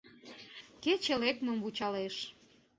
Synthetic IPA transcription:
ket͡ɕelekməmvut͡ɕɑleʃ

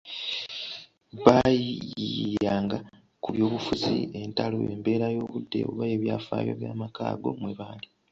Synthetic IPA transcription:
βajiijaːŋɡa | kuβjo̞ːβufuzie̞ntalo̰embe̞ːɾajo̞ːβudːe̞̰o̰βajeβjaːfa̰ːjo̞̰ːβjaːmakaːɡo̞mweβaːndi

